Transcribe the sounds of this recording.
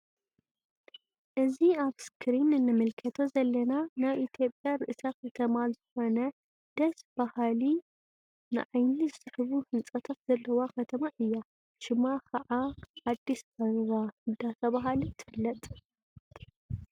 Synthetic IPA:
ʔɨziaβskʰɾinnːɨmɨlkʰɐt̪ʰozɐlːɐnanajʔit̪ʰjo̞pʼjaɾɨʔɨsakʰɐt̪ʰɐmazɨxo̞nɐ | d̪̥ɐsb̥ahali | nɨ̰ʕajnizɨsʼɨħɨβuhɨnt͡sʼɐt̪ʰat̪z̥ɐlːɐwakʰɐt̪ʰɐmaʔɨjːa | ʃɪmakʰɐʕaad̪ːisbɐɾɾahɨd̪at̪ʰɐβaɦalit̪ʰɨfɨlːɐt̪ʼ

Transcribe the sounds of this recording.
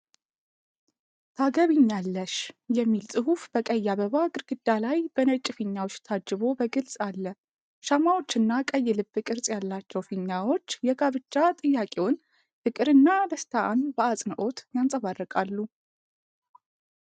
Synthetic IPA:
t̪ʰaɡəβiɲːalːəʃjɛmːilsʼɨhufbəkʼəjːaβəβaɡɨɾɡɨd̪ːalajbənət͡ʃʼɪfiɲːawot͡ʃːt̪ʰad͡ʒːɨβo̞bəɡɨlsʼalːə | ʃamawo̞t͡ʃːɨnːakʼəjːɪlɨbːɨkʼɨɾsʼjalːat͡ʃːɛwfiɲːawo̞t͡ʃːjɛɡaβɨt͡ʃːat̪ʼɨjːakʼewon | fɨkʼɨɾɨnːad̪əst̪ʰaʔanbəasʼnəʔo̞t̪jansʼəβarːəkʼalːu

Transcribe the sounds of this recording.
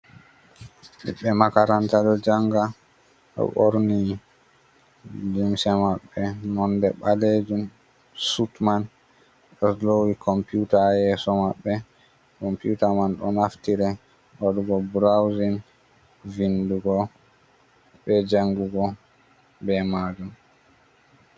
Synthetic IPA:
mḭɓɛmakaɾantadɔd͡ʒaŋɡa | ɗɔ̰ʔoɾni | limsɛmaɓːɛmɔndɛɓaled͡ʒum | sutman | ɗɔslowikʰɔmpjutajɛsɔmaɓːɛ | kɔmpiutamanɗɔnaftiɾɛ | waduɡɔbɾawzin | vinduɡɔ | ɓɛd͡ʒaŋɡuɡɔ | bɛmaːd͡ʒum

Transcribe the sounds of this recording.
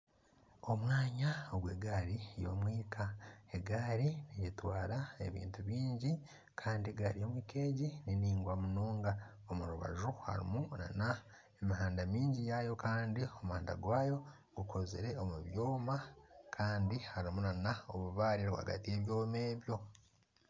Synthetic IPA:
o̞mwaːɲaoɡweɡaːɾijo̞̰mwiːkʰaeɡaɾinijetwaːɾae̞̰βḭːntuβiːɲɟi | kʰaːndieɡaɾijo̞mwiːke̞ːɟininiːŋɡwamunoːŋɡa | omuɾuβa̰ʒuha̰ɾḭmuna̰na | e̞miɦaːndamiːɲɟijaːjo̞kaːndio̞muhaːnda̰ɡwaːjo̞ | ɡ̥ukʰo̞zḛɾe̞o̞muβjo̞ːmakʰaːndihaɾimunanaoβuβaːɾiɾwoha̰ɡa̰tie̞βjo̞ːmeːβjo̞

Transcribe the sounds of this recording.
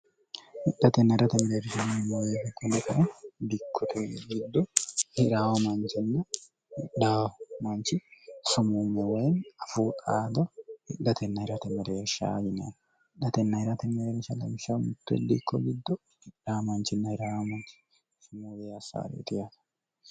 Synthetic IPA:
hɪɗɐt̪ɛnːɐhɪɾɐt̪ɛmɛɾɛɛɾʃɐnɐmoweːdɛkːɔnːɐkʰɐʔɛd̪ɪkʰːɔt̪ʰeɡɪd̪ːɔhɪɾaːwɐmɐnt͡ʃɪnːɐ | hɪᶑaːwmɐnt͡ʃɪsʊmuːmɛwɐjnɐfuːt̪ʼaːd̪ɐhɪᶑːɐt̪ʰɛnːɐhɪɾɐt̪ɛmːɛɾɛɛɾʃa̰ːjɪna̰n | ɪᶑɐt̪ɛnːɐhɪɾɐt̪ɛmːɛɾɛɛɾʃɐlɐmɪʃɐmʊt̪ːɛ̰d̪ikːɔɡɪd̪ːɔ | hɪaːmɐnt͡ʃɪnːɐhɪɾaːwɐmɐnt͡ʃɪ̥ | sʊmuːweːɐsa̰ːɾḛːt̪ɪjat̪ɐ̥

